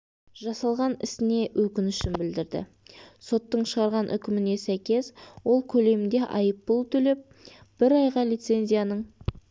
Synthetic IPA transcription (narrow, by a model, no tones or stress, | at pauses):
ʒɑsɑlˠʁɑnɪ̰sɪne̞wʔɵkʲɪnʏʃɪnbɪld̪ɪɾd̪ɪ̰ | so̞t̪ːəɴʃəʁɑɾʁɑnʔʏ̰kʲɪmɪne̞sæjkʲe̞swo̞lˠkʲʰɵle̞mɪnd̪e̞ʔɑjəpːəlˠt̪ʰɵle̞p̚ | b̥ɪɾɑjʁɑlijt̪se̞nʲzʲijanəɴ